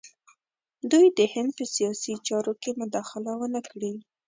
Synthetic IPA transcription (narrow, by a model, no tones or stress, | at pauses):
d̪ujd̪əhɪnd̪̚pəsijɑsit͡ʃɑɾokemʊd̪ɑxɪlawənəkɽi